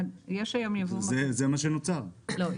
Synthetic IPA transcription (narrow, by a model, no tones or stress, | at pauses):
njeʃajomjavumzezemaʃenot͡saʁlo